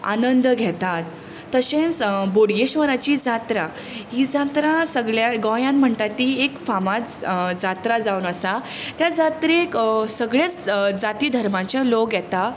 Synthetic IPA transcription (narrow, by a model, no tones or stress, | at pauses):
a̰nənd̪ɡʱɛt̪at̪ː | əɕẽnsboɽɡeɕʋəɾat͡ɕid͡zat̪ɾa | ɦid͡zat̪ɾasəɡɭjaɡɔjãnm̤əɳt̪at̪ːiekfamat͡sd͡zat̪ɾad͡zaunəsat̪jad͡zat̪ɾeksəɡɭjat͡sd͡zat̪iːd̪ʱəɾmãt͡ɕalokɡjɛt̪a